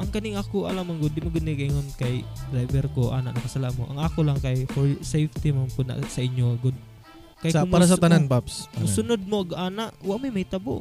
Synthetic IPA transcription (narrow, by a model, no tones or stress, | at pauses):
ʔɐŋkɐnɪŋakoʔɐlamaŋɡʊd̪ːɪmoɡʊd̪nɪkɐʔɪŋonkajd̪ɾajbɛɾkoʔa̰ːnaʔnɐkɐsalaʔmoʔaŋakolaŋkajfoɾsejft̪imampʊna̰ʔsɐɪɲjoaɡod̪̚ | kajamaɾas̬at̪ananpapssʊnod̪̚moʔaɡaːnaʔwaʔmajmɐjt̪abo̰ʔ